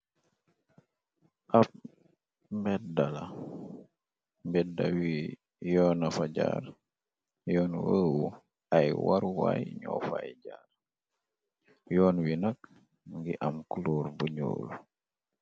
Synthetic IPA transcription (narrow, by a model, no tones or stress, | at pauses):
ʔaf | mbɛdala | mbɛda̰wi | jɔːnafaɟaɾ | jɔːnwəːwu | ajwaɾwajɲɔfajɟar | jɔːnwinak̚ | ŋɡiʔamkuluːɾbuɲo̰ːl